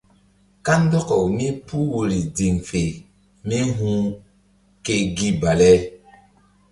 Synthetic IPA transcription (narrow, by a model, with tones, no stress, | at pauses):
ka˦ndɔ˦kɔ˨wmi˦pu˦wo˨ɾi˨di˨ŋfe˨ | mi˦ɦũ˦ | ke˦ɡi˦ba˨lɛ˦